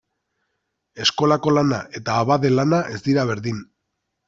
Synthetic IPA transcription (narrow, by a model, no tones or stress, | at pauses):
e̞sko̞lako̞lanaʔe̞t̪aːβaðe̞lanaʔe̞zd̪iɾaβ̞e̞ɾðin